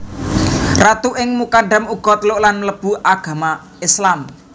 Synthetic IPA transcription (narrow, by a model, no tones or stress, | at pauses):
rat̪uʔɪŋmukaɖamuɡ̥ɔ̤t̪lʊʔlanmələb̥ṳʔaɡ̥a̤ma | ɪslam